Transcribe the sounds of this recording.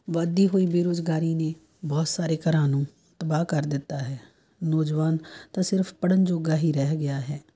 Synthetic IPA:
ʋad̪iːɦoːiːbeːɾoːzɡaːɾiːneː | bɔːt̪saːɾeːkəɾaːnõː | t̪əbaːkəɾd̪ɪt̪ːaːɦɛː | nɔːd͡ʒʋaːnt̪ãːsɪɾfʰpəɽənd͡ʒoːɡaːɦiːɾɛɦɡɪjaːɦɛː

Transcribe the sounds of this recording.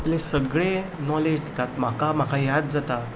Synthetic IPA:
aplesəɡɭenɔled͡ʑd̪it̪at̪m̤akam̤akajad̪̚d͡zat̪a

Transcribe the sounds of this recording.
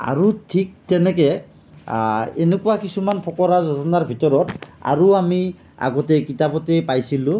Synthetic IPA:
a̰ɹutʰik̚tɛnɛkɛ | enɛkʊwakisumanpʰɔkɔɹazɔtɔnaɹbʱitɔɹɔta̰ɹuami | a̰ɡɔtɛkitapɔtɛpajsilʊ̃

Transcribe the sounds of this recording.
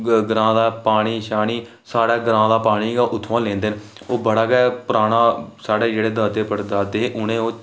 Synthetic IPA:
ɡəɾãːd̪aːpaːɽ̃iːʃaːniː | saːɽaːɡəɾãːd̪aːpaːɽ̃iːɡaːʔʊt̪ʰːʋãːlẽːnd̪eːn | oːbəɽaːɡɛːpəɾaːɽ̃ãːsaːɽeːd͡ʒeːɽeːd̪aːd̪eːpəɽd̪aːd̪eːeːʔʊnẽːoː

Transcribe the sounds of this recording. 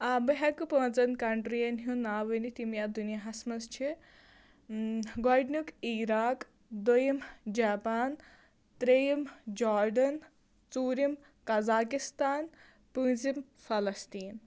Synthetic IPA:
abɐɦɐkɨpə̃ːnt͡sɐnkɐɳʈɾijɐnɦũnaːʋɐnit̪imjaːd̪unijaɦɐsmɐst͡ʃʰi | ɡɔɖnukiːɾaːk | d̪ojimd͡ʒaːpaːn | t̪ɾejimd͡ʒaːɾɖɐn | t͡suːɾim | kɐzaːkist̪aːn | pɨ̃ːzim | fɐlɐst̪iːn

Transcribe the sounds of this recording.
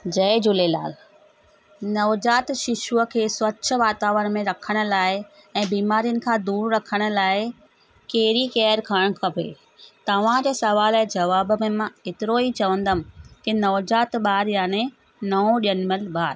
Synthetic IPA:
d͡ʑɐɪd͡ʑʊlela̰ːl | nɐʋd͡ʑaːt̪ʃɪʃuəkʰeːswɐtːʃʰə̆ʋaːt̪aːʋɾəɽ̃mẽɾɐkʰəɽ̃ʊ̆laːɪ | ɛ̃ːbiːmaːɾijənɪ̆kʰãːd̪uːɾɾɐkʰəɽ̃ʊ̆laːɪ | keːɾikɛːəɾkʰaɽ̃kʰɐbʱḛː | t̪ɐʋ̤ãd͡ʑeːsɐʋaːld͡ʑɐʋaːb̆mẽmãet̪ɪɾoit͡ɕɐʋə̃n̆d̪əmkenɐʋd͡ʑaːt̪ɓaːɾjaːne | nɐõɗijənmɪlɓaːɾ

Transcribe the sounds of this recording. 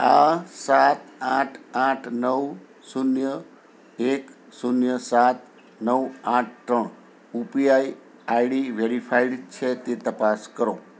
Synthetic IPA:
asat̪ãʈʰãʈʰnəʋ | sunjə | ek | sunjəsat̪ | nəʋãʈ̚ʰtəɳ | upijaj | ajɽiʋeɾifʰaiɖt͡ʃʰet̪et̪əpaskəɾo

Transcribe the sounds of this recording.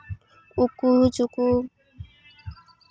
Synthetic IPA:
ukuɾut͡ʃukuɾ

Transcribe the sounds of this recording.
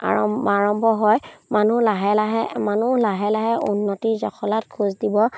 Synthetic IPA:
a̰ɔaɹɔmbʱɔɦɔjmanulaɦɛlaɦɛmanulaɦɛlaɦɛʔunːɔtizakʰɔlatkʰuzdibɔ

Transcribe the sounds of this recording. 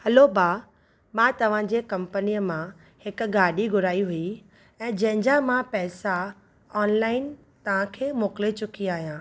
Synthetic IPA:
hɐlobaː | mãːt̪ɐʋ̤ãd͡ʑeːkɐ̃mpənijəmã | hɪk̆ɡaːɗiɡʱʊɾaːiɦui | ɛ̃ːd͡ʑɐ̃ɦɪ̃ɲd͡ʑamãpɛːsa | ɔːnlaːɪn | t̪ɐʋ̤ãkʰeːmoːklet͡ɕʊkiaːɦijãː

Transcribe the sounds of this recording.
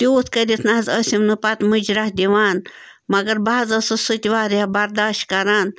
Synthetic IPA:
t̪oːt̪ʰkɐdʲit̪ʰnazəsʲimnɨpɐt̪mɨd͡ʒɾahd̪ʲiʋaːn | mɐɡɐɾbaːzɐsɨsut̪ʲiʋaːɾjabɐɾd̪aːʃt̪kɐɾaːn

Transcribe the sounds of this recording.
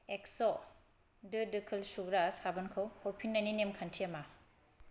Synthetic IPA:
eksɔ | dɯdɯkʰɯlsuɡɾashabɐnkʰɯwhɔɾpʰinːaninemkʰantʰiɐma

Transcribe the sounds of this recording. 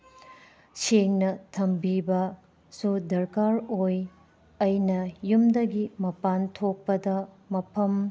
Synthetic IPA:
seŋnɐtʰɐmbibɐ | sudɐɾkaɾoj | ɐjnɐjumdɐɡimɐpantʰok̚pːɐdɐ | mɐpʰɐm

